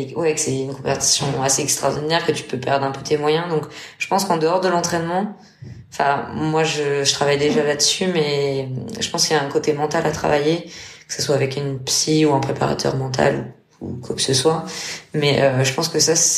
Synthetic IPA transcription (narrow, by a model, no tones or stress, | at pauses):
wɛkə̥sɛynkɔ̃pɛʁt̪i̥sjɔ̃aseɛkst̪χɔʁd̪inɛʁkət̪y̥pøpɛʁd̪ʁɛ̃pøt̪emwajɛ̃d̪ɔ̃kʒ̥ə̥pɑ̃skɑ̃d̪əɔʁd̪əlɑ̃t̪χɛnmɑ̃ | ɑ̃fɛ̃mwaʒəʒət̪χavajd̪eʒalad̪əsymɛ | ʒəpɑ̃skiljaɛ̃kot̪emɑ̃t̪alat̪χa̰vajekə̥səswaːvɛkynpsiuɛ̃pχepa̰ʁa̰t̪ʰœ̰ʁmɑ̃t̪ʰa̰lu | ukwakə̥səswamɛʔøʒəpɑ̃skəsas